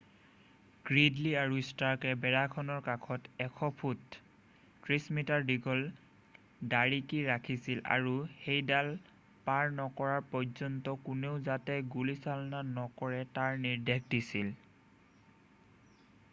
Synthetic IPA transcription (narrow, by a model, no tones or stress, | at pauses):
ɡ̥ɹidliaɹustaɹkɛbɛɹakʰɔnɔɹkakʰɔtɛkʰɔpʰutː | ɹismitaɹdiɡʱɔl | daɹikiɹakʰisila̰ɹuxejdal | paɹnɔkɔɹaɹpɔzɔntɔkuneʊzatɛɡulisalɔnanɔkɔɹɛtaɹniɹdek̚disil